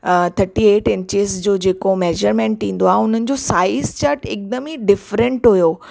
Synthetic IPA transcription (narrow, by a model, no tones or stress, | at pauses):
t̪ʰɐɾʈieːʈɪ̃nt͡ɕesd͡ʑoːd͡ʑeːkomeːʒəɾmẽɳʈ̪ːĩːn̆d̪oaːɦʊn̤ənɪ̆d͡ʑosaːɪzt͡ɕəɾʈʰɪk̚d̪əmiɖɪfɾə̃ɳʈɦujoː